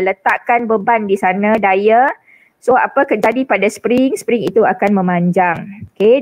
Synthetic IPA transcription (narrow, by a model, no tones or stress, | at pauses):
lət̪aʔkanbəbandisanãdaja | soa̰pəkəd͡ʒadipadaspɾiŋspɾiŋit̪uakanmə̃mãɲd͡ʒaŋoke